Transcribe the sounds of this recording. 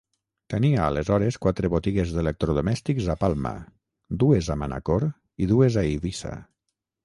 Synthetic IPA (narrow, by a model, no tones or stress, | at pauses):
t̪əniaːlezɔɾeskwat̪ɾeβot̪iɣezðelek̚t̪ɾoðomɛst̪ikzapalˠma̰ | d̪uezamana̰koɾ | iðuezaiβisa̰